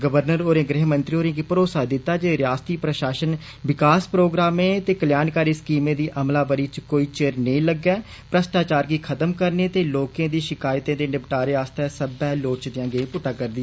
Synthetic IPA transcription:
ɡəʋəɾnəɾoːɾẽːɡɾɪɦmənt̪ɾiːoːɾẽːɡipəɾoːsaːd̪ɪt̪ːaːd͡ʒeːɾɪjaːst̪iːpɾəʃaːʃən | ʋɪkaːspɾoːɡɾaːmẽːt̪eːkəljaːnkaːɾiːskiːmẽːd̪iːʔəmlaːbəɾiːt͡ʃkoːiːt͡ʃeɾnəĩːləɡɛː | pɾəst̪aːt͡ʃaːɾɡiːkʰət̪əmkəɾneːt̪eːloːkẽːd̪iːʃɪkaːjt̪ẽːd̪eːnɪbʈaːɾeaːst̪ɛːsəbɛːloːɾt͡ʃd̪ɪjãːɡẽpʊʈːãːkəɾd̪ɪɛː

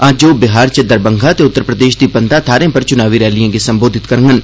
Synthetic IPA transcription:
aːd͡ʒoːbɪɦaːɾt͡ʃɐd̪ɐɾbə̃ŋɡʱat̪eʊt̪ːəɾpɾəd̪eːʃd̪ipɐnt̪at̪ʰaːɾẽpɐɾt͡ʃʊnaːʋiɾɛːlijãkesɐ̃mboːd̪ʱɪt̪kɐɾŋɡən

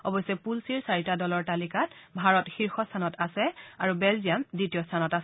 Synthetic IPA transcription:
ɔ̰bɔjsɛpulsiɹsaɹitadɔlɔɹtalikatbʱaɹɔtxiɹxɔstʰanɔtasɛaɹubɛlziamditiɔstʰanɔtas

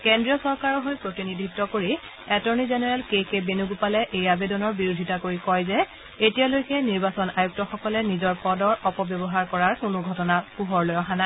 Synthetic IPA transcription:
kendɹijɔsɔɹkaɹɔɦojpɹotinidʱitːɔkoɹi | ɛtɔɹnizenɛɹɛlkekebenuɡupalɛʔejabedɔnɔɹbiɹudʱitakoɹikɔjzɛ | etijalojkɛniɹbasɔnajuk̚tɔxɔkɔlɛnizɔɹpɔdɔɹɔpɔbjɔbɔɦaɹkɔɹaɹkʊnʊɡʱɔtɔnapuɦɔɹlojɔxana

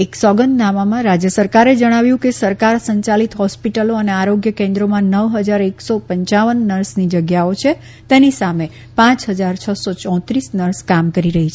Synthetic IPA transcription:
eksɔɡənːamamãɾad͡ʒjəsəɾkaɾed͡ʒəɽ̃aʋjũkesəɾkaɾsəɲt͡ʃalit̪ɦɔspiʈəloəneaɾoɡjəkẽnd̪ɾomãnəʋɦəd͡ʒaɾeksopəɲt͡ʃaʋənːəɾsnid͡ʒəɡjaot͡ʃʰe | t̪enisame | pãt͡ʃɦəd͡ʒaɾt͡ʃʰəsot͡ʃɔ̃t̪ɾisnəɾskamkəɾiɾəɦit͡ʃʰe

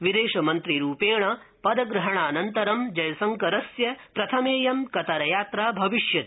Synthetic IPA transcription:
ʋid̪eːʃɐmɐnt̪ɾiɾuːpeːɳɐ | pɐd̪ɐɡɾɐɦɐɳaːnɐnt̪ɐɾɐmd͡ʒɐjɐsɐŋkɐɾɐsjɐpɾɐt̪ʰɐmeːjɐmkɐt̪ɐɾɐjaːt̪ɾaːbʱɐʋiʃjɐt̪

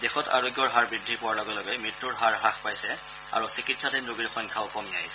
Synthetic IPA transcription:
dexɔta̰ɹoɡjɔɹɦaɹbɹidʱipʊwaɹlɔɡɛlɔɡɛmɹitːuɹɦaɹɦaxpajsɛ | a̰ɹusikitsatinɹuɡiɹxɔjŋkʰaʊkɔmiaɦisɛ

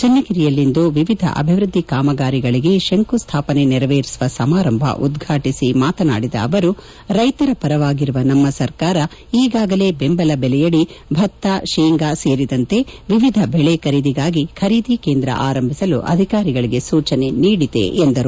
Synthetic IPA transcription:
t͡ʃɐnːɐɡiɾijɐlːind̪uʋiʋid̪ʱɐ̰ʔɐ̰bʱiʋɾud̪ʱːikaːmɐɡaːɾiɡɐɭiɡe̞ʃeŋkust̪ʰaːpɐne̞nɛɾɐʋeːɾisʋɐsɐmaːɾɐmbʱɐ̰ʔud̪ɡʱaːʈisimaːt̪ɐna̰ːɽid̪ɐ̰ːʋɐɾu | ɾɐjt̪ɐɾɐpɐɾɐʋaːɡiɾuʋɐnɐmːɐsɐɾkaːɾɐ | iːɡaːɡɐle̞ːbembɐlɐbɛlɛjɐɭibʱɐt̪ːaʃeːŋɡaːse̞ːɾid̪ɐnt̪e̞ʋiʋid̪ʱɐbɛɭekɐɾid̪iɡaːɡikʰɐɾiːd̪ikeːnd̪ɾɐ̰ʔaːɾɐmbʱisɐluʔɐ̰d̪ʱikaːɾiɡɐɭiɡe̞suːt͡ʃɐne̞niːɽid̪ḛʔːnd̪ɐɾu

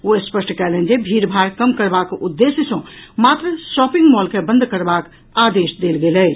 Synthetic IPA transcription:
oespəsʈʰkɛlend͡ʒebʱiɾbʱaɾkəmkəɾbakud̪ːesjəsõmat̪ɾəsɔpiŋɡmɔlkebə̃nd̪ʱkəɾbak | ad̪esd̪elɡelɛ

